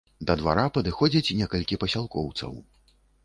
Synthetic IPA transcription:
d̪ɐd̪va̰ɾapɐd̪ɨxɔd͡zʲit͡sʲnʲɛkɐlʲkʲipɐsʲalˠkɔwt̪sɐ̰w

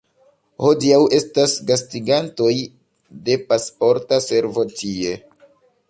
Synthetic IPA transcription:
ho̞diawe̞stasɡastiɡanto̞j | de̞paspo̞ɾtase̞ɾvo̞tie̞

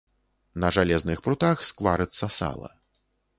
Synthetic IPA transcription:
nɐʐalʲɛznɨxpɾut̪axskvˠaɾɨt̪sːɐsa̰lˠɐ̰

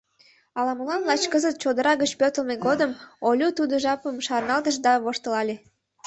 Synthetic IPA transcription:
ɑlɑməlɑnlɑt͡ɕkəzət̪̚t͡ɕod̪əɾɑɣət͡ɕpøt̪ə̆lmeɡod̪əmolʲut̪ud̪oʒɑpəmʃɑrnɑlt̪əʃ̬d̪ɑβoʃt̪əlɑlʲe

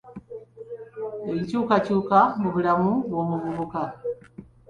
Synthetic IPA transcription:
eɲicuːkacuːkamuβulamuβoːmuβuβuka

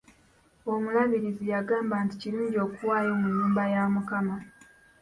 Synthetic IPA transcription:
o̞mulaːniɾizijaɡaːmbaːnticiluːɲɟio̞ːkuwaːjomuɲːuːmbajaːmukama

